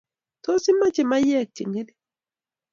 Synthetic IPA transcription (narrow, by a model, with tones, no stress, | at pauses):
to˦si˦ma˦t͡ʃe˦˨ma˦jɛ˦˨k̚t͡ʃḭ˨ŋe˦di˦